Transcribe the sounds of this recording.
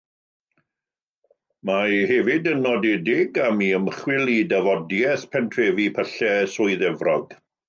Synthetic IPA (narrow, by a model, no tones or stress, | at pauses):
majhɛvɪdənɔdedɪɡamiəmχwɪlˠidavɔdjɛθpʰɛntʰreːvipʰəɬɛsʊjðɛvrɔɡ̥